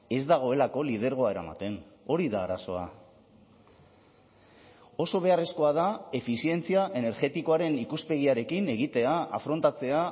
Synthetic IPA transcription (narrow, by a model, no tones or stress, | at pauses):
e̞zd̪aɣ̞o̞e̞lako̞lið̞e̞ɾɣ̞o̞ae̞ɾama̰t̪e̞no̞ɾiðaːɾaso̞̰a̰ | o̞so̞β̞e̞are̞sko̞aðae̞fisie̞nt͡siaʔe̞ne̞ɾɣe̞t̪iko̞aɾe̞nikuspe̞ɣ̞iaɾe̞kine̞ɣ̞it̪e̞aa̰fɾo̞nt̪at͡se̞a